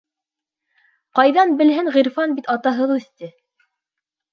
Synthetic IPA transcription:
qɑjðɑnbɘ̆lɦɘŋʁiɾfɑnbit̪ɑt̪ɑɦɤðɵ̆θt̪ɘ

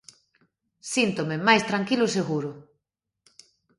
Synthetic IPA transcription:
sint̪omemajst̪ɾaŋkilʊseɣuɾʊ

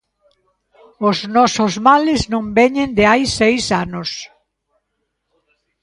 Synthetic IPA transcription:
oznɔsozmalɪznõmbɛɲẽnd̪ɪajsejsanos

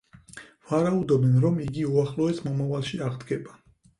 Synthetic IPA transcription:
v̥aɾaud̪ɔbɛnɾɔmiɡiuaχlˠɔɛsmɔmavalˠʃiaʁd̪ɡɛba

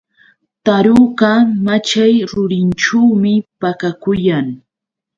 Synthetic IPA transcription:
t̪aɾuɢɑmat͡ʃajɾʊɾɪnʈ͡ʂawmɪpakakʊjaŋ

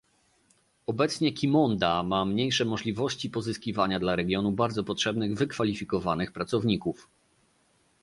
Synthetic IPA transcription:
ɔbɛt̪sɲɛkʲimɔnd̪amamɲejʂɛmɔʐlʲivɔɕt͡ɕipɔzɘskʲivaɲad̪laɾɛɡʲjɔnubaɾd̪zɔpɔtʂɛbnɘɣvɘkfalʲifʲikɔvanɘxpɾat̪sɔvɲikuf

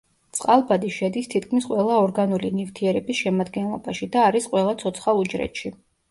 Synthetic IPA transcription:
t̪sʼqʼalˠbad̪iʃɛd̪ist̪ʰit̪̚ʰkʰmisqʼwɛlˠaɔɾɡanulinift̪ʰiɛɾɛbisʃɛmad̪ɡɛnlˠɔ̰baʃid̪aːɾisqʼwɛlˠat̪sʰɔt̪sʰχaud͡ʒɾɛ̰t̪ʃi

